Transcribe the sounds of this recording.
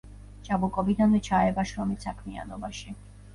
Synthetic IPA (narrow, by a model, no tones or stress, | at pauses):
t͡ʃʼabukʼɔbid̪anvɛt͡ʃʰaɛbaʃɾɔmisakʰmia̰nɔbaʃi